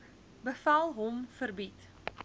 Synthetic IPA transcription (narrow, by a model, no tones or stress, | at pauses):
bəfɐlˠɦɔmfərbit